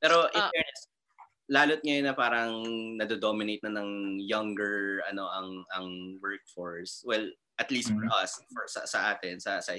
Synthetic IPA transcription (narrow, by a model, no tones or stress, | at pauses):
pɛːɾoʔɪɛɹnɛs | laːlot̪̚ŋɐjonɐpaːɾɐŋnɐd̪ɛd̪omɪnejt̪nɐnɐŋjɐŋɡɛɹʔɐno̞ʔɐŋɐŋwɛɹk̚fɔɹswɛl | ʔɐt̪liːst̪̚fɔɹʔɐsfɔsɐ̰sɐʔaːt̪ɪnsɐsɐʔɪ